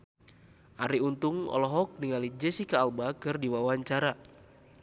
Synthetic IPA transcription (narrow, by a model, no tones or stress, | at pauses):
ʔaɾiunt̪uŋɔ̰lɔɦɔk̚niŋalid͡ʒɛsikaːlbakɨrdiwawaɲt͡ʃaɾa